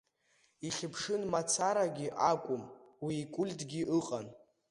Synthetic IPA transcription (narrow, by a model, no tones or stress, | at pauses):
iχʲɪpʰʂɨnmat͡sʰaɾaɡʲiʔakʷʼʊmwiːkʷʼʊlʲtʼɡʲiʔɨqʼan